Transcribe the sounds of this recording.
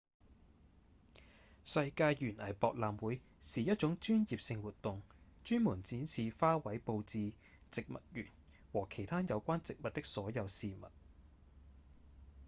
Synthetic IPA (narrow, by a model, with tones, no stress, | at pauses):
sɐ˧jkaː˧jjyː˨˩nɐ˨˩jpɔː˨˧k̚laː˨mwuː˨˥j | siː˨jɐ˥t̚t͡ʃʊ˨˥ŋt͡ʃyː˥njiː˨p̚sɪ˧ŋwuː˨t̚t̪ʊ˨ŋt͡ʃyː˥nmu˨˩nt͡siː˨˥nsiː˨faː˥wɐ˨˥jpo˧wt͡siː˧ | t͡sɪ˨k̚mɐ̰˨t̚jyː˨˩n | wɔː˨˩kʰe˨˩jt̪ʰaː˥njɐ˨˧wkʷaː˥nt͡sɪ˨k̚mɐ˨t̚t̪ɪ˥k̚sɔː˨˥jɐ˨˧wsiː˨mɐ̰˨t̚